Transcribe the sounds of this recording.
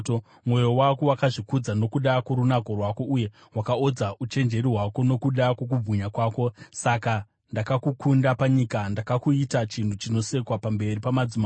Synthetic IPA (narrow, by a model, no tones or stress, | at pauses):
o | mwo̞jo̞wako̞wakaʐikud͡zano̞kuɗakoɾunako̞rwako̞uje̞ | ɦwakaod͡zaʔut͡ʃe̞nd͡ʒe̞riɦwako̞no̞kuɗako̞k̬ub͡vuɲakwaːko̞saka | ndakakukundapaɲikandakakuitat͡ʃintut͡ʃino̞se̞kwapambe̞ripamad͡zima